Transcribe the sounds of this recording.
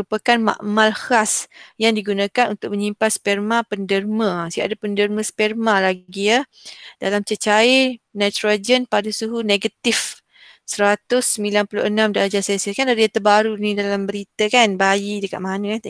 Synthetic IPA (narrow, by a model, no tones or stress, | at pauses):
upakanma̰ʔmalhasjaŋdiɡunakanunt̪ʊk̚məɲimpaspɛrmãpəndərməsiaʔadapəndərməspɛrmalaɡɡia | d̥alamt͡ʃət͡ʃaenat̪ɾad͡ʒənpadəsuɦuneɡat̪if | səɾat̪ʊsːəmilanpulṵʔənãmdalad͡ʒasesəkandaɾiat̪əbaɾunidalambəɾit̪əkanbajidəka̰t̪̚manət̪